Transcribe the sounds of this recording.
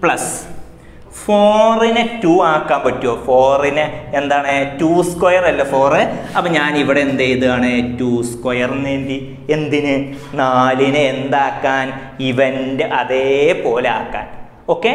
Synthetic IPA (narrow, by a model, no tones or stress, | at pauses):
pɭɐs | foːrinɨtuːaːkːaːmpɐtːuʋoːfo̞ːrinɨend̪aːɳɨtuːskwojɐrɐlːɐfo̞ːrɨɐpːoːɲaːniʋiɽeend̪ejiðɨaːɳɨtuːskojɐrenːeːndi | e̞nd̪inɨ | naːlinɨend̪aːkːaːn | iʋendɨʔɐðepo̞ːlea̰ːkːa̰ːn | o̞ːkːe